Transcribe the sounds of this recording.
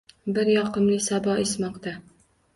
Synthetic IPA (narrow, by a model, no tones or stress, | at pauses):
bɪɾjɒqɨmlɪsabɒɪsmɒqt̪a